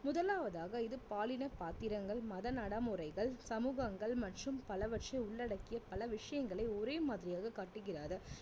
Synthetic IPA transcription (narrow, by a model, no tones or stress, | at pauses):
mʊðɐlaːʋɐðaːɣɐɪðɯpaːlɪnɐpaːt̪ɪɾɐŋɡɐɭmɐðɐnɐɽɐmɯrɐɪɣɐɭsɐmuːɣɐŋɡɐɭmɐʈrɯmpɐlɐʋɐʈt͡ʃɐɪʊɭːɐɽɐkːɪjɐpɐlɐʋɪʂɐjɐŋɡɐɭɐɪɔɾeːmaːðɪɾɪjaːɣɐkaːʈːɯɣɪraːðɯ